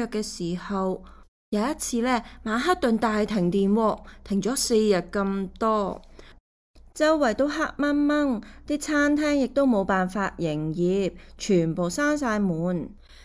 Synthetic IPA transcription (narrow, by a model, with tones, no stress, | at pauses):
œː˨˧kːɛː˧siː˨˩hɐ˨w | jɐ˨˧jɐ˥t̚t͡sʰiː˧lɛː˥˩maː˨˧ɦaː˥t̚t̪ɵ˨nt̪aː˨jt̪ʰɪ˨˩ŋt̪iː˨nwɔː˧t̪ʰɪ˨˩ŋt͡ʃɔː˨˥se˧jjɐ˨t̚kɐ˧mt̪ɔː˥ | t͡sɐ˥wwɐ˨˩jt̪o˧wɦa˥k̚mɐ˥nmɐ˥ŋt̪iː˥t͡sʰaː˥nt̪ʰɛː˥ŋjɪ˨k̚t̪o˥wmo˨˧wpaː˨nfaː˧t̚jɪ˨˩ŋjiː˨˧p̚t͡ʃʰyː˨˩npo˨˩wsaː˥ŋsaː˧jmuː˨n